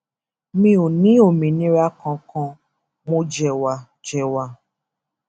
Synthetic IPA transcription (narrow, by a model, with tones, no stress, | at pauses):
mĩ˦o˨nĩ˦o˨mĩ˨nĩ˦ɾa˦kɔ̃˧kɔ̃˧ | mõ˧d͡ʒɛ˨wa˨ | d͡ʒɛ˨wa˨